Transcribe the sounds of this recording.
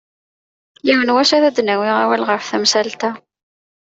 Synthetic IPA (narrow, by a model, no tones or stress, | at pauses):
jiwənwæʃæðæd̪næwɪʁæwælʁəɾfθæmsælt̪æ